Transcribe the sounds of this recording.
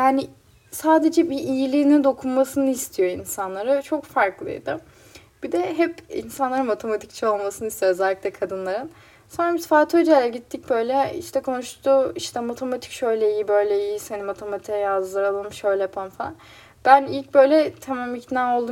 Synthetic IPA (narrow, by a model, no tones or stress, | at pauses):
jaːnɪ | saːd̪e̞d͡ʒɛbiʔijilʲiːnind̪o̞kʰunmasɯnɯist̪ʰijo̞insanlˠaɾat͡ʃʰo̞kfaɾklˠɯ̰jd̪ɯ | b̥id̪ɛɦɛpḭnsanlˠaɾɯnmat̪ʰe̞mat̪ʰict͡ʃʰɛo̞lˠmasɯnɯist̪ijoøzælʲːiclʲɛkʰad̪ɯnlˠaɾɯn | so̞nɾamisfaːt̪ʰød͡ʒɛlʲɛɟit̪ʰːic̚bø̞jlʲɛḭʃt̪ʰɛkʰo̞nuʃt̪ʰuiʃt̪ʰɛmat̪ʰemat̪ʰi̥cʃø̞jlʲɛijibø̞jlʲɛijisenimat̪ʰemat̪ʰiɛjazlˠaɾalˠɯmʃø̞jlʲɛjpʰanfalˠa̰n | bænilʲc̚bø̞jlʲɛt̪ʰɛmamicnao̞lˠd̪u